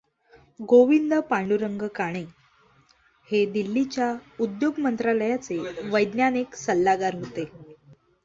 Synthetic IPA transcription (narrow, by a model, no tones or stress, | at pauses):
ɡoʋind̪əpaɳɖuɾəŋɡəkaɽ̃e | hed̪ilːit͡ɕjaud̪joɡmənt̪ɾaləjat͡seʋəjd̪njaneksəlːaɡaɾɦot̪e